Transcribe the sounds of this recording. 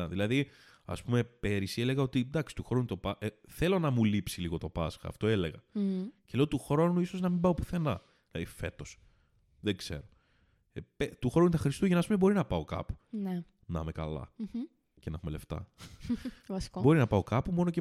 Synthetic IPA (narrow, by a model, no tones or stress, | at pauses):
ɐðilɐði | ɐ̰spume̞pe̞ɾisiele̞ɣɐo̞t̪id̪ɐksi̥t̪uxɾo̞nut̪o̞pɐʔeθe̞lo̞nɐmulipsiliɣo̞t̪o̞pɐsxɐ̰ːft̪o̞e̞le̞ɣɐcele̞ot̪uxɾo̞nuiso̞znɐmĩmbɐo̞pi̥θe̞nɐ̰ | ilɐðife̞t̪o̞s | ðeɡze̞̰ɾo̞ | pet̪uxɾo̞nut̪ɐxɾist̪uʝenɐspumebo̞ɾinɐpɐo̞kɐ̰pu̥ne | nɐ̰mekɐ̰lɐ̰ | cenɐxumele̞ft̪ɐ̰ | ɐsobo̞ɾinɐpɐo̞kɐpumo̞noce